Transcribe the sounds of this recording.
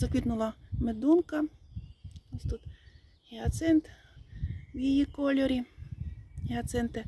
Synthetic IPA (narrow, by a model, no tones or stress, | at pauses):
zɐkʋʲit̪nʊlˠɐmed̪unkɐ | osʲt̪ut̪ | iɐt̪sɛnt̪ | wʲjijikolʲɔɾʲi | iɐt̪sɛnt̪e